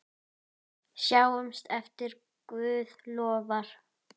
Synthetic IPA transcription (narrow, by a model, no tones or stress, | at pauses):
sjaːwʏmst̪ɛft̪ɪɾ | kvʏːðlɔːvaɾ̥